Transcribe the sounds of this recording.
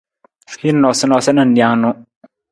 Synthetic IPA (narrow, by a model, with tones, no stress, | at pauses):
hi˦nɔ˨sɪ˦nɔ˨sɪ˦nə˨n̩˨di˨a˦ŋ˦nʊ˦